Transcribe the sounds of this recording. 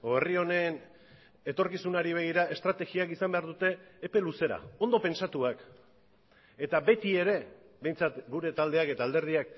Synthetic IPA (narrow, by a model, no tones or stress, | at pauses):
oerio̞ne̞n | e̞t̪o̞ɾkisunaɾiβ̞e̞ɣ̞iɾae̞st̪ɾat̪e̞ɣiakisambe̞aɾðut̪e̞ːpe̞luse̞ɾa̰o̞nd̪o̞pe̞nsat̪uak | e̞t̪abe̞t̪ie̞ɾe̞ | be̞jnt͡sat̪ɡuɾe̞t̪ald̪e̞ake̞t̪aːld̪e̞ɾðiak